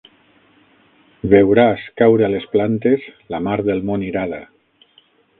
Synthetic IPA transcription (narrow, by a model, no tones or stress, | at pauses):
βewɾaskawɾealesplant̪ezlamaɾðelˠmoniɾaða